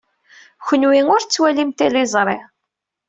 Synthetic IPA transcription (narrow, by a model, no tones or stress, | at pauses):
çʷənwiŋʊɾt͡sːwælimt̪ilizˤɾˤe